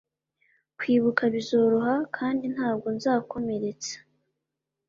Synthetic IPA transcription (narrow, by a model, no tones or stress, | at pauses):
kwiːβukʰaβizo̞ɾoɦakʰaːndin̥haːb̚ɡo̞nzaːkʰo̞me̞ɾe̞t͡sḁ